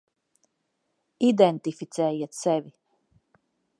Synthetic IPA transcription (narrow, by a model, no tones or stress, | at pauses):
id̪ɛnt̪ifit̪sɛːjiɛt̪sɛvi